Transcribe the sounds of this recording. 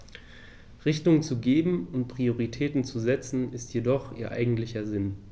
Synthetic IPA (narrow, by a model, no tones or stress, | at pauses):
ʁɪçtʊŋt͡suɡeːbm̩ʊntpʁ̥ioʁitʰɛːtn̩t͡suzɛt͡sn̩ɪstʰjedɔχʔḭːɐʔa̰ɪɡŋ̩tlɪçɐzɪn